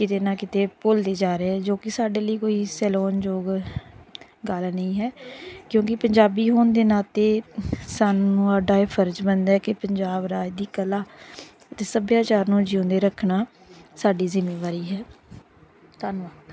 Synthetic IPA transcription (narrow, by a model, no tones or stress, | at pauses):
kɪt̪eːnãːkɪt̪eːpold̪eːd͡ʒaːɾeːɛːd͡ʒoːkɪsaːɖeːləiːkoːiːsɛːlɔːnd͡ʒoːɡ | ɡəlnəĩːɦɛːkjõːkɪpəɲd͡ʒaːbiːɦoːnd̪eːnaːt̪eːsaːnːũːaɖaːeːpʰəɾd͡ʒbənd̪ɛːkɪpəɲd͡ʒaːbɾaːd̪iːkəlaː | t̪eːsəbjaːt͡ʃaːɾnũːd͡ʒɪõnd̪eːɾəkʰnaː | saːɖiːzɪmeːʋaːɾiːɦɛː | t̪aːnʋaːt̪